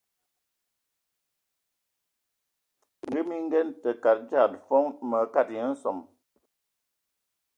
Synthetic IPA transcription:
ŋ˨ɡə˦mi˦ŋ̩˦ɡɛ˦ntə˨ka˨t̚d͡ʒa˦˨tfɔ˦ŋmə˨ka˦˨t̚jə˨˦n̩˦sɔ˨m

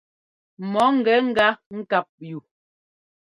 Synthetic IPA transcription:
mɔ˨˦ŋ̩˨ɡɛ˨˦ŋ̩˦ɡa˦ŋ̩˦ka˦p̚ju˨

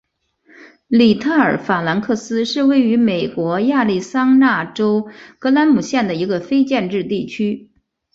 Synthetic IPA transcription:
li˨˩t̪ʰa˥˩ə˞˨˩˥fa˨˩la˧˥nkʰɤ˥˩sɹ̩˥ʂɻ̩˥˧we˥˩ɪy˧˥me˨˩ɪkwɔ˧˥ja˥˧li˥˩sɑ˥ŋna˥˩ʈ͡ʂo˥ʊkɤ˧˥la˧˥nmu˨˩ɕjɛ˥˩nd̪ə˩i˧˥ɡə˧fe˥ɪt͡ɕjɛ˥˧nʈ͡ʂɻ̩˥˧t̪i˥˩t͡ɕʰy˥

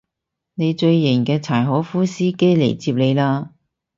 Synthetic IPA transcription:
ne˨˧jt͡ʃɵ˧ɥji˨˩ŋkɛː˧t͡sʰaː˨˩jɦɔː˨˥fuː˥siː˥ke˥jlḛ˨˩jt͡siː˧p̚le˨˧jlaː˥

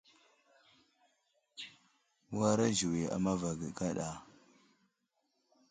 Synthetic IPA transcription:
wa˦ɾa˦ʒi˨wi˨a̰˨ma˦va˨ɡə˨ka˦ɗa˨

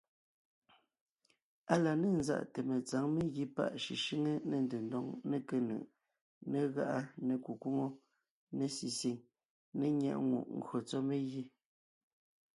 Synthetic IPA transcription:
a˦la˨ne˦˨nza̰˦˨ʔte˨me˨t͡sa˨˦ŋme˦ɣi˦pa̰˦ʔʃi˨ʃi˦ŋe˦ne˨ndʉ˨ndɔ˦ŋne˦ke˦nɯ̰˨ʔ | ne˨ɣa˦ʔa˦ne˨ku˨kwu˦ŋo˦ | ne˦si˨si˨ŋ | ne˦ɲjɛ̰˦˨ʔŋṵ˨ʔŋ̩˨ɡɰo˨t͡sɔ˦me˦ɣi˦

